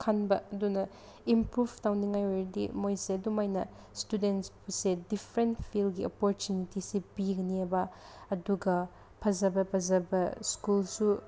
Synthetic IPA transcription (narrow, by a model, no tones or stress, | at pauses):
kʰanbɐɐdunɐ | impɾub̥ʰʱtawniŋajojɾɐdḭmojsedumajnɐ | studentsbusedipʰɾenpʰilɡiopoɾtunitisibiɡɐniebɐː | duɡɐ | pʰɐzɐbɐpʰɐzɐbɐskulsu